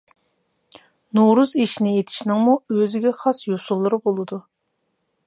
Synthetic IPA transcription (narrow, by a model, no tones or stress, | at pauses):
noɾuziʃinɪet̪ʰi̥ʃnɨŋmuøzɪɡʲɛχɑsjosulˠːɨɾɨbolˠɨd̪u